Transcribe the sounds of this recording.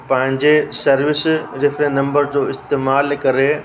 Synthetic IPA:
pɐ̃ɦɪ̃ɲd͡ʑesɐɾʋɪsɾɪfʰɾẽnːɐ̃mbəɾd͡ʑoːɪst̪eːmaːlkɐɾe

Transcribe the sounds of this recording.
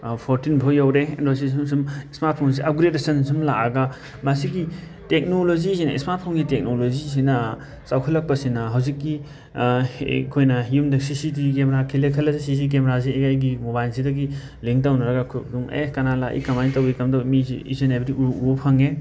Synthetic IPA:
pʰoɾtinbʰʱojawɾendos̬isumsumismaɾt̚pʰons̬iʔɐp̚ɡɾedɐsɐnsumlaɐɡa | masiɡi | tek̚nolozisinɐḭsmaɾt̚pʰonɡitek̚nolozis̬inɐ | sawkʰɐlːɐk̚pɐsinɐɦɐwzikːi | kʰojnɐjumdɐsisitikemɾakʰilekʰɐlɐsesis̬ik̬emeɾasiekajɡimubajlsidɐɡi | liŋtawnɐɾɐɡakʰduŋḛkɐnalaʔḭkɐmajntɐwikɐmdɔmisḭḭsinebɾiʔuuopʰɐŋe

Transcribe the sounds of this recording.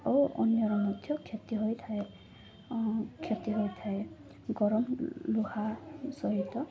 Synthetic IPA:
ɔwʔɔ̰njɔɾɔmɔd̪ʱjɔkʰjɔt̪iɦojt̪ʰae | kʰjɔt̪iɦojt̪ʰae | ɡɔɾɔmluhasɔɦit̪ɔ

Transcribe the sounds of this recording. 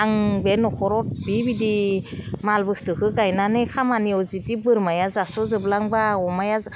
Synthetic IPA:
aŋbenɔkʰɔɾɔp̚bibidi | malbɯstɯkʰɯɡajnanekʰamaniɔzitibɯɾmajazasɔzɯblaŋbaɔmajaz

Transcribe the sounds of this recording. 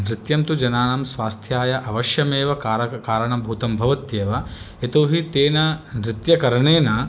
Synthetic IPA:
nɾɪt̪jɐmt̪ud͡ʒɐnaːnɐmsʋaːst̪ʰjaːjɐʔɐʋɐʃjɐmeːʋɐkaɾɐkaːɾɐɳɐbʱuːt̪ɐmbʱɐʋɐt̪jeːʋɐ | et̪oːɦit̪eːnɐnɾɪt̪jɐkɐɾɐɳeːnɐ

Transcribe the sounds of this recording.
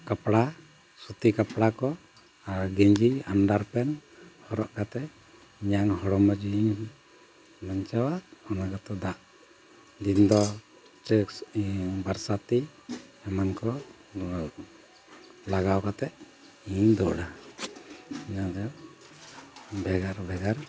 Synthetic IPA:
kapɽa | sut̪ikapɽakɔ | aɾɡɛɲd͡ʒianɖaɾpɛnhɔɾɔʔkat̪ɛ | ɲaŋɦɔɽɔmad͡ʒiiɲ | laɲt͡ʃawaʔɔnaɡat̪ɔd̪aʔ | d̪ind̪ɔ | t͡ʃɛksbaɾsat̪i | ɛmankɔ | laɡawkat̪ɛʔ | iɲd̪ɔʔɽa | ɲad̪ɔ | bɛɡaɾbɛɡaɾ

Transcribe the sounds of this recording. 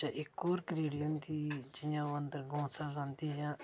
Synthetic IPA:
aʔɪkoːɾkəɾeːɽɪjəmt̪iːd͡ʒɪjãːoənd̪əɾɡõːsãːzãːnd̪iːjãː

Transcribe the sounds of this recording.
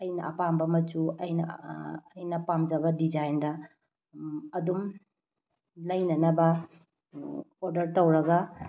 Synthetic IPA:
ɐjnɐ̰ʔɐpambɐmɐt͡ʃuɐjnɐː | jnɐpamd͡ʒɐβɐdid͡ʒajndɐ | ɐdum | lɐjnɐnɐbɐ | oɾdɐɾtɐwɾɐɡɐ

